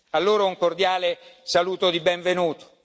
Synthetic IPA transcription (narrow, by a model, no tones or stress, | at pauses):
alːoːɾauŋkord̪jaːlesaluːt̪od̪ibɛɱvenuːt̪o̥